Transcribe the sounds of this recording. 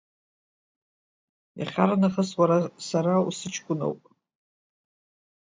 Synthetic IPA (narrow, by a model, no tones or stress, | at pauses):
ja̰χʲa̰ɾanaχəswaɾasaɾausɨt͡ʃʰkʷʊno̰wpʼ